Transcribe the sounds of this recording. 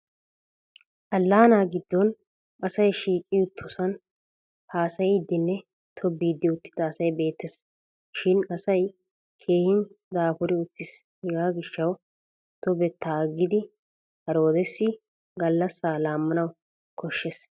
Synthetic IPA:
ʔɐlːaːnaːɡɪd̪ːɔn | ɐsɐjʃiːkʼɪʊt̪ʰːʊsɐn | haːsɐjɪd̪ːɪnːɛ | t̪ʰɔbiːd̪ːɪʊt̪ːɪ̥d̪ɐːsɐjbe̞ːt̪ːɛs | ʃɪnɐsɐj | kʰe̞ːhɪn | d̪aːfʊɾɪʊt̪ːɪs | hɛɡaːɡɪʃːɐw | t̪ɔbɛt̪ːaɡːɪd̪ɪ | hɐɾo̞ːd̪ɛsːɪ | ɡɐlːɐsːaːlaːmːɐnɐw | kʰɔʃːɛs

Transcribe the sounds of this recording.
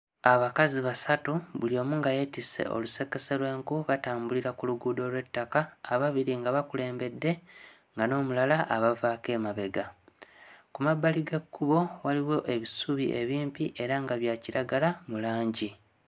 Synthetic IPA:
aβakaziβasatuβulio̞ːmuŋɡaje̞tisḛʔo̞̰luse̞ke̞se̞ɾwe̞ːŋkuβataːmbuliɾakuluɡuːdo̞ːlwe̞tːakaːβaβiɾiŋɡaβakule̞ːmbe̞dːe̞ | ŋɡano̞ːmulalaʔaβavake̞ːmaβe̞ɡa | kumabːaliɡe̞kːuβo̞waliwo̞ʔe̞βisuβiʔe̞βiːmpiʔe̞ɾaŋɡaβjaːciɾaɡalamulaːɲɟi

